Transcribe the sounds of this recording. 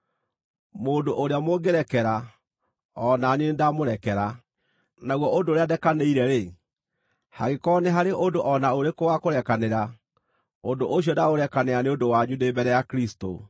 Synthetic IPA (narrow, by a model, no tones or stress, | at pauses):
moːdoʔoɾeamoɡeɾɛkɛɾa | ɔnanenendamoɾɛkɛɾa | naɣwɔʔondoːɾeadɛkaneiɾɛɾe | ha̰ɣekɔneɦaɾeʔondoʔɔnaoɾekowakoɾɛkaneɾa | odoʔoɕ̬iɔdaoɾɛkaneaneodowaɲudebɛɾɛjakɾisto̰